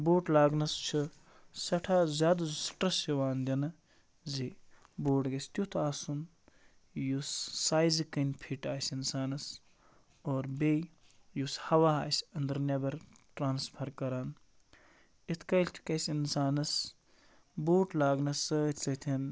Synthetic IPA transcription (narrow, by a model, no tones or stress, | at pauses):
boːʈlaːɡnɐst͡ʃʰɨ | sɐʈʰaːzʲaːd̪zsʈɐsjɐʋaːnd̪ʲɐnɨ | zi | boːɖɡɐsʲt̪ʲjut̪ʰaːsun | jusːaːjzikɐnʲpʰiʈaːsʲinsaːnɐs | oːɾbej | jushɐʋaːaːsʲɐnd̪ɐɾnʲɐbɐɾ | ʈɾaːnspʰɐɾkɐɾaːn | it̪ʰkɐjlʲt̪ʰi̥kɐsʲinsaːnɐs | boːʈlaːɡnɐsɨit̪ʰsɐt̪ʰin